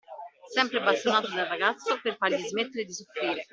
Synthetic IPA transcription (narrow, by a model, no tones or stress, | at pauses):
sɛmpɾeabast̪onaːt̪od̪arːaɡat̪sːoperfaɾʎizmet̪ːeɾed̪isofɾiːɾe